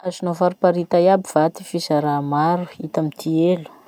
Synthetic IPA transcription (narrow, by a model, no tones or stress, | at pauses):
azinovaɾupaɾit̪ajabivat̪ifisaɾamaɾuit̪amit̪ʰielu̥